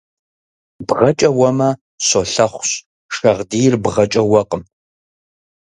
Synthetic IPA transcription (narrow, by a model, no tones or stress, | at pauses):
bʁɐt͡ʃʼɐwɐmɐ | ɕoɬɐχʷɕ | ʂɐʁdiːjrbʁɐt͡ʃʼɐwɐqʼəm